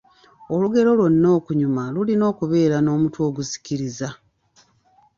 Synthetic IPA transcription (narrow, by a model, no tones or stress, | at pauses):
o̞luɡe̞ɾo̞lwo̞nːo̞ːkuɲumalulino̞ːkuβe̞ːɾano̞ːmutwo̞ːɡusi̥ciɾiza